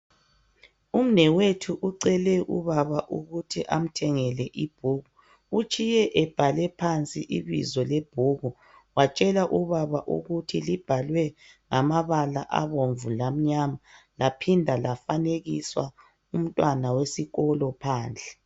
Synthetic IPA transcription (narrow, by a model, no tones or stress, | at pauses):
um̩nɛwetʰuʔuǀɛlɛʔṵβaβaʔuɣutʰiʔam̩tʰɛŋɛlɛʔib̥̚ʱuːɣu | ut͡ʃʼijɛʔɛb̥ʱalɛpʰant͡sʼiʔiβḭzɔleb̥ʱuːɣu | wat͡ʃʼɛlaʔuβaβaʔṵɣutʰilib̥ʱalwɛ | ŋamaβalaʔa̰βoɱvulam̩ɲama | lapʰindʱalafaneɣiswa | um̩tʼwanawesiɣɔlɔpʰaːnd͡ɮʱɛ